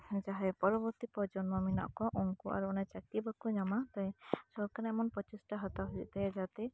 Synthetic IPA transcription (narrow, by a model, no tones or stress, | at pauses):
d͡ʒaɦɛpɔɾɔbɔɾt̪ipɔd͡ʒɔnmaminɔ̰ʔkɔʔɔŋkuʔa̰ɾuɔnat͡ʃakibakɔd͡ʒamat̪ajsɔɾkaɾɛɛmɔnpɔt͡ʃisʈaɦɔt̪aɦɔḭʔt̪ɛjɛd͡ʒat̪ɛ